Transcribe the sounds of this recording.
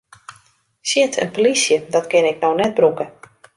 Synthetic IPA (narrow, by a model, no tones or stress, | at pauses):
sjɪtʰə̰npolisjədɔtkɪnɪknownɛt̚brukə